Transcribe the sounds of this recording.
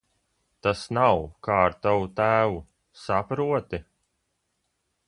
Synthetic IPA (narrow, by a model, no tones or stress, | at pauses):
t̪asnawkaːɾt̪awut̪æːvu | sapɾuɔt̪e